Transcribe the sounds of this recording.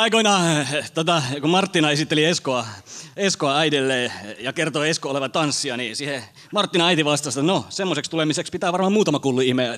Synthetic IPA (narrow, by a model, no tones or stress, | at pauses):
ɑikoinɑt̪ot̪ɑkumɑrt̪ːinɑesit̪ːelieskoɑeskoɑæidelːeːjɑkert̪oeskooleʋɑt̪ɑnsːiɑnisiːhe | mɑrt̪ːinɑɑit̪iʋɑst̪ɑst̪et̪nosemːosekst̪ulemisekspit̪æːʋɑrmɑmuːt̪ɑmɑkulːuihme